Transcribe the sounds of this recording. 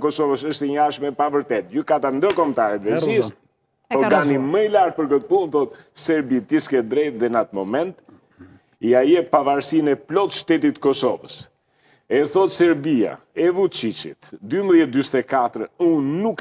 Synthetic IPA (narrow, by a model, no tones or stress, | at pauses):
kɔsɔvəsəʃt̪ɛɲaʃmɛpavəɾt̪ɛt̪̚d͡ʑykat̪and̪əɾkɔmt̪aɾɛd̪ɾɛsis | ɔɾɡaniməilaɾt̪̚pəɾkət̪əpunθɔt̪̚ | sɛɾbit̪iskɛd̪ɾɛt̪̚ðɛnat̪mɔmɛnt̪ | iajɛpavaɾsinɛplɔt̪ʃt̪ɛt̪it̪kɔsɔ̰vəs | ɛθɔt̪sɛɾbia̰ɛvut͡ʃit͡ʃḭt̪d̪ymbəðjɛt̪̚d̪yst̪ɛkat̪ɾəunːuk